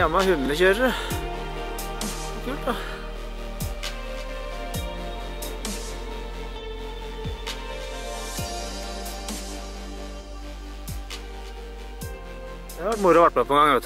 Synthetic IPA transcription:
ɑmɑhʉnːəçøːɾə | kʰʉːlt̪ɑ | d̪ɛhɑɾʋæʈmʊɾɑʋæʈmɛpʰɔɛŋɡɑŋœt̪

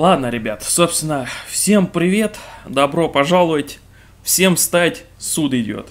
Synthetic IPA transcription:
lˠad̪nəɾʲɪbʲat̪so̞pst̪vʲɪnəfsʲe̞mpɾʲɪvʲe̞t̪d̪ɐbɾo̞pɐʐalˠʊətʲ | fsʲe̞mst̪aɪtʲsud̪ɪdʲo̰t̪

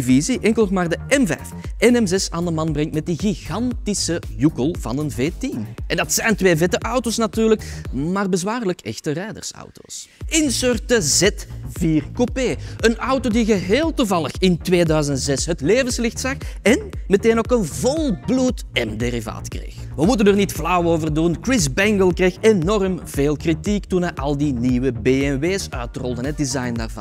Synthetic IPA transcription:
viziʔɛŋkəlˠxmaːrdəʔɛmvɛ̰jfɛnɛmzɛsa̰ːndəmɑnbrɛŋtmɛt̚diɣiɣɑntisəjukəlˠvɑ̰nənveːtimʔɛndɑtsɛjntʋeːvɛtəʔɑwtoːsnatyːrləkmaːrbəzwaːrləkʰɛ̰xtərɛjdə̰rsɑ̰wto̰ːsɪnsørtəzɛtv̥iːrkopeːənʌwtoːdiɣəɦeːlˠtuvɑlˠəxɪntweːdœɥzənz̥ɛsɦətleːvənslɪxtsɑxɛnməteːnoːkənvɔlˠblutɛmderiva̰ːtkrḛːxʋəmutənərnitflɑwoːvərdunkrɪzbɛŋɡəlˠkreːxenɔrəmveːlˠkritiktunɛʔɑlˠdiniwəbeːɛnweːsœ̰ɥtrɔlˠdənɦət̚dizɑjnda̰ːrvɑ̰n

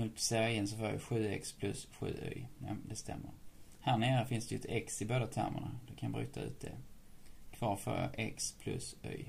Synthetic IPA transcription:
pʰseɾaɾɪnːs̬ɔfoːɾja̰ɧʉ̟ːɛkspʰlɵsɧʉ̟̰ːœ̰jnɛmd̪ɛst̪ɛmːəɾ | hæːɳeːɾəfɪnsd̪ɛjɛt̪ʰɛksɪboːd̪at̪ʰæɾmʔə̰ɳad̪ɛkʰanjbɾʏːt̪ʰaʉ̟ːt̪̚d̪ɛ̰ | kʰvɑːɾfœɾa̰ʔɛkspʰlɵsœ̰j

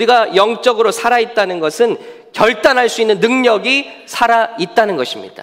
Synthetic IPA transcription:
ɾiɡajʌŋt͡ɕ͈ʌɡɯɾosʰaɾait̚t͈anɯnɡʌsʰɯn | kjʌɭt͈anɦaɭs͈uinːɯnːɯŋɲʌɡisʰaɾait̚t͈anɯnɡʌɕʰimɲḭd̥a̰

